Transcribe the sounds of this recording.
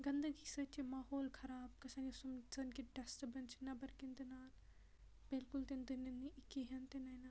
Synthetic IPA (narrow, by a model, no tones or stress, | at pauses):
ɡɐnd̪əɡisɐt͡ʃʰimaːɦoːlkʰɐɾaːb̚kɐsɐnisɐmsɐnkiʈɛsʈɐbɐnt͡ʃʰinɐbɐɾkint̪ɐnaːl | b̥ɪlkult̪end̪inɐniɪkiɦɐnt̪enɐjnɐ